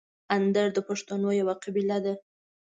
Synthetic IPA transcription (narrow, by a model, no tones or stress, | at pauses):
and̪aɾd̪əpaʂt̪anojawaqabilad̪a